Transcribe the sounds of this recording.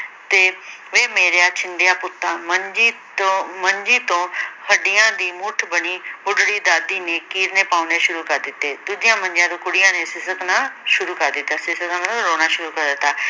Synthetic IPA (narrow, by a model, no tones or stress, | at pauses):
t̪eːʋeːmeːɾejaːt͡ʃɪnd̪ejaːpʊt̪ːãːməɲd͡ʒiːtõməɲd͡ʒiːt̪õːhəɖɪjãːd̪iːmʊʈʰbəniːʊɖɽiːd̪aːd̪iːneːkiːɾneːpaːuneːʃʊɾuːkəɾd̪ɪt̪ːeːd̪uːd͡ʒɪjãːmə̃ɲd͡ʒãːd̪õːkʊɽɪjãːneːsɪsəknaːʃʊɾuːkəɾd̪ɪt̪ːaːsɪsəkãmnũɾoːnaːʃʊɾuːkəɾd̪ɪt̪ːaː